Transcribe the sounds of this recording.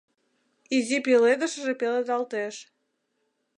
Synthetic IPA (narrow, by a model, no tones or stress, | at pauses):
izipeled̪əʃəʒepeled̪ɑlt̪eʃ